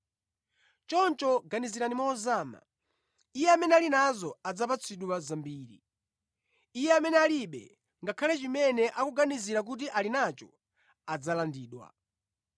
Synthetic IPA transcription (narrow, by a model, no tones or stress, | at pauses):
t͡ʃɔnt͡ʃɔɡaniziɾanimɔːzaːma̰ | ijɛamɛnɛalinazɔad͡zapat͡sʰiɗuwazambiːɾi | ijɛamɛnɛaliɓɛ̰ | ŋɡakʰalɛt͡ʃimɛnɛʔakuɡaniziɾak̬ut̬iʔalinat͡ʃɔ | ad͡zalandiːɗwa̰